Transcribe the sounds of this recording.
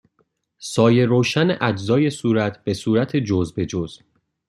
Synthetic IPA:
sɒːje̞ɾoːʃæneʔæd͡ʒzɒːje̞suːɾæt̪ʰbe̞suːɾæt̪ʰed͡ʒozbe̞d͡ʒoz̥b

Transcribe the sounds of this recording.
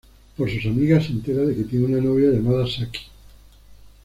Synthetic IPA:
poɾsusamiɣasent̪eɾaðeket̪jenunanoβjaʝamað̞asaki̥

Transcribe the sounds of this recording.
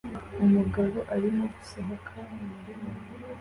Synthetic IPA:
umuɡaɾoʔaɾimoɡu̥saɦakʰaniɾimo

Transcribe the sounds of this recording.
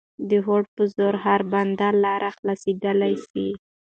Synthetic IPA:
d̪əɦoɽ̚pəzoɾɦaɾband̪alːɑɾʔaxlɑsed̪əlajsi

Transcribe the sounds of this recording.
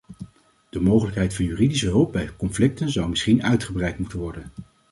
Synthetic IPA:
d̥əmowχələkɦɛjtfɑnjyːridisəɦɵlˠp̚bɛjkɔnflɪk̚tənzɑwmɪsχinœɥtχəbrɛjtmutənʋɔɹdən

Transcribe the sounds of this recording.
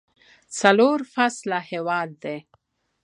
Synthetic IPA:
t͡saloɾfaslahewɑd̪̚ːe

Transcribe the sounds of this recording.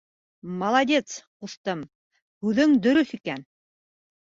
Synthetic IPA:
mɐlˠɐd̪ʲet̪squθt̪ɤm | hʉðɘŋd̪ɵ̆ɾɵθikæn

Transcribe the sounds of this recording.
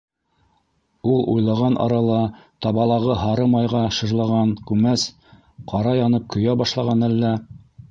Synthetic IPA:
ulˠṵjlˠɑʁɑnʔɑ̰ɾɑlˠɑt̪ɑβɑlˠɑʁɤɦɑɾɤmɑjʁɑʃɤ̆ʒlˠɑʁɑŋkʉmæs | qɑɾɑjɑnɤp̚kɵ̆jæbɑʃlˠɑʁɑnælːæ

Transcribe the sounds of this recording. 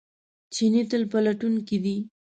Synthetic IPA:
t͡ʃinit̪əlpəlaʈunked̪i

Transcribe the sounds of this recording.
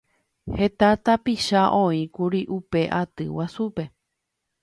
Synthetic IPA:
he̞t̪at̪apiʃaʔõĩkuɾiʔupe̞ʔat̪ɨwasupe̞

